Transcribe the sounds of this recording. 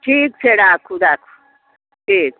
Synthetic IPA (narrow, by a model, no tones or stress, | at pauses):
ʈʰiːk̚t͡ʃʰeɽaːkʰuɖaːkʰu̥ | ʈʰiːk̚